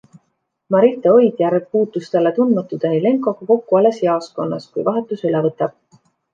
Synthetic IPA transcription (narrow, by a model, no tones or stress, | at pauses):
mɑɾit̪ːˑeo̞jd̪̥jæɾɡ̚puːt̪ˑːust̪elet̪und̪mɑt̪ːˑud̪̥ɑnile̞ŋkˑo̞ɡ̥ɑko̞kːuɑlesjɑosko̞nːɑ̰skujvɑɦe̞t̪ːˑusylevɤt̪ːˑɑb̥̚